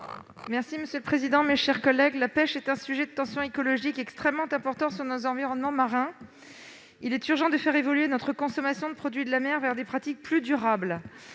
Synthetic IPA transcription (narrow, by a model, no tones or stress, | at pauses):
mɛʁsiməsjøləpχezid̪ɑ̃meʃɛʁkɔlːɛɡlapɛʃɛt̪ɛ̃syʒɛd̪ət̪ɑ̃sjɔ̃ekɔlɔʒikɛkst̪χɛmːɑ̃t̪ɛ̃pɔʁt̪ɑ̃syʁnɔzɑ̃viʁɔnmɑ̃maʁɛ̃ | ilɛt̪yʁʒɑ̃d̪əfɛʁevɔlɥenɔt̪χəkɔ̃sɔmasjɔ̃d̪əpχɔd̪ɥid̪əlamɛʁvɛʁd̪epχat̪ik̚plyd̪yʁabl